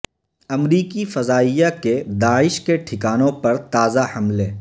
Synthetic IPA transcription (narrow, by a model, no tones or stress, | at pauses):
ɐmɾiːkifɐzaːijaked̪aːɪʃkeʈʰɪkaːnõpɐɾt̪aːzahɐmlẽː